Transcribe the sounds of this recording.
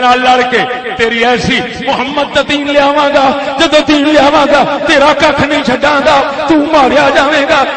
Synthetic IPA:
naːlləɽkeː | t̪eːɾiːɛːsiː | mʊɦəmːəd̪̚t̪ət̪ĩːnlɪjaːʋãːɡaːd͡ʒəd̪õːt̪ĩːlɪjaːʋãːɡaːt̪eːɾaːkəkʰnĩːt͡ʃʰəɖãːɡ̪aːt̪ũːmaːɾjaːd͡ʒaːʋeːɡaː

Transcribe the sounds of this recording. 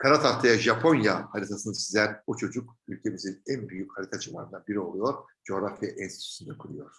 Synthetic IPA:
kʰaɾat̪ʰaɾt̪ʰajaʒapʰo̞njahaɾit̪ʰasɯnɯsizlæɾut͡ʃʰo̞d͡ʒuk | ylʲcʰe̞mizinænbyjychaɾit̪ʰat͡ʃʰɯvˠa̰ɾɯnd̪anbiɾio̞lˠujo̞ɾ | d͡ʒo̞ːɾafjaʔinsʰit̪y̥synd̪akʰɯlˠujo̞ɾ̥

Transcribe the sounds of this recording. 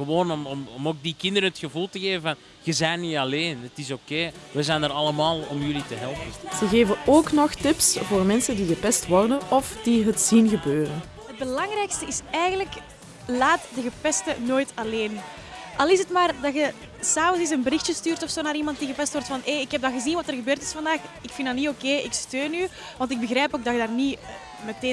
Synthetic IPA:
ɣəʋoːnɔmɔmɔmoːk̚dikɪndəɾənətxəvulˠtəɣeːvəvɑn | ɣəzɛjnːiɑleːnətɪsokeːʋɛzɛːnərɾɑləmaːlˠɔmjʏlitəɦɛlˠpənz̥əɣeːvənoːknɔxtɪpsvoːrmɛnsəndiɣəpɛstʋɔrdənɔfd̥iɦətzinɣəbøːɾən | ɦət̚bəlɑŋrɛːkstəɪsɛːjɣənlək | laːtdəɣəpɛstənoːjtɑleːn | ʔɑlˠɪsətmaːrdɑxə | saːvənzɪs̬ənbəɾɪxtjəstyːrtɔfsoːnaːɾimɑnt̚diɣəpɛstʋɔrtfɑneːɪkɦɛb̚dɑɣəzinʋɑtərɣəbøːrtɪ̥sfɑndaːxɪkfɪndɑniokeːɪkstøːny | ʋɑntɪɡ̚bəɣrɾɛːpoːɡ̚dɑxədaːrni | mɛteː

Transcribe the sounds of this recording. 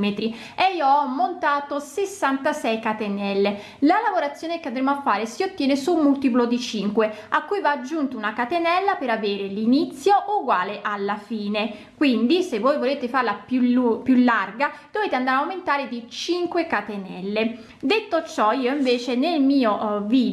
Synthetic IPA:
met̪ɾi | eiːoɔmːont̪aːt̪osesːant̪asɛjkat̪enɛlːe | lalavoɾat̪sːjoːnekeand̪ɾemoafːaːɾesiot̪ːjɛːnesumːult̪ip̬lod̪it͡ʃiŋkweakːujvad͡ʒːunt̪ounakat̪enɛlːapeɾaveːɾelinit̪sːjoʔuɡwaːleʔalːafiːne | kwind̪isevːoːjvoleːt̪efarlapjulupjulːarɡad̪̥oveːt̪eand̪aɾawment̪aːɾed̪it͡ʃiŋkwekat̪enɛ̰lːe | d̪et̪ːot͡ʃɔiːoiɱveːt͡ʃenelmiːoviː

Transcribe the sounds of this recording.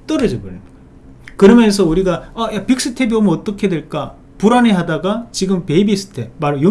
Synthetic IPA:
t͈ʌɾɯd͡ʑʌɡɯɲɯ | kɯɾʌmjʌns̬ʰʌuɾiɡaʌjapik̚s͈ʰɯtʰe̞biomʌt͈ʌkʰedweɭk͈a | puɾaneɦadaɡat͡ɕiɡɯmpe̞bisʰɯ̥tʰe̞maɾojo

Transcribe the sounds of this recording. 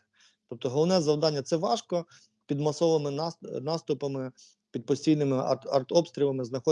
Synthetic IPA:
t̪ɔp̚t̪ɔɦɔlˠɔʋnɛzɐwd̪ɑnʲːɐt̪sɛʋɑʃkɔ | pʲid̪mɐsɔʋɪmɪnnɑst̪ʊpɐmɪ | pʲid̪̚pɔsʲtʲijnɪmɪɐrt̪ɔpst̪ɾʲilˠɐmɪznɐxɔ

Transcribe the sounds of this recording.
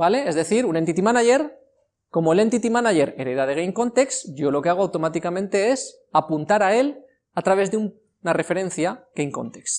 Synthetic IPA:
bale̞ezðe̞θiɾunent̪it̪imanaʝe̞ɾ | ko̞moele̞nt̪it̪imanaʝe̞ɾeɾeðaðe̞ɣ̞ejŋko̞nt̪e̞ksɟ͡ʝo̞lo̞keaɣ̞o̞awt̪o̞mat̪ikamẽ̞nt̪e̞e̞s | apunt̪aɾae̞l | at̪ɾaβ̞e̞zðeum | nare̞fe̞ɾẽ̞n̟θjaɣ̥ejŋko̞̰nt̪e̞ks

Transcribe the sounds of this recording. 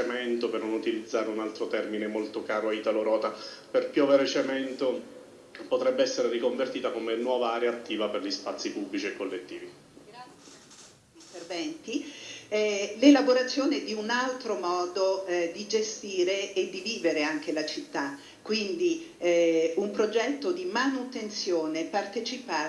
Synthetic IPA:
emɛnt̪opernonut̪ilid̪zːaːɾeunalt̪ɾot̪ɛrminemolt̪okaːɾoait̪aloɾɔːt̪aperpjɔːveɾet͡ʃemɛnt̪o | pot̪ɾɛbːeɛsːeɾerikoɱvert̪iːt̪akomenwɔːvaaːɾeaːt̪ːiːvaperʎispat̪sːipubːlit͡ʃiekːolːet̪ːiːvi | ɡɾat̪sje | int̪ervɛnt̪i | lelaboɾat̪sːjoːned̪iunalt̪ɾomɔːd̪od̪id͡ʒest̪iːɾeːd̪iviːveɾeaŋk̟elat͡ʃit̪ːa | kːwind̪i | umpɾod͡ʒɛt̪ːod̪imanut̪ent̪sjoːnepart̪et͡ʃipa

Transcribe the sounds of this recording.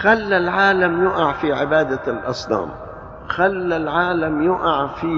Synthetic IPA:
xalːalʕaːlamjʊʔaʕfiʕɪbaːd̪alʔɑsˤnɑ̰ːm | xalːalʕaːlamjʊʔaʕfiː

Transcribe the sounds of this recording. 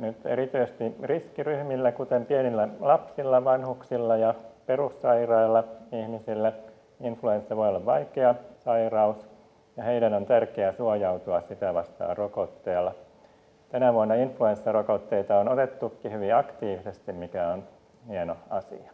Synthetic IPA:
nyt̪ḛɾit̪yːssest̪iriskiryhmilːækut̪empienilːælɑpsilːɑʋɑnhuksilːɑjɑperusːɑirɑilːɑihmisilːæ | influensːɑʋojolːɑʋʋɑikeɑsɑirɑus | jɑheidænont̪ærkeæsuojɑut̪uɑssit̪æʋɑst̪ɑ̰ːrokot̪ːeːlːɑ | t̪ænæʋuonːɑinfluensːɑrokot̪ːeit̪ɑonot̪et̪ːukːihyʋiɑkt̪iːʋisest̪immikæon | hienoɑsḭɑ̥

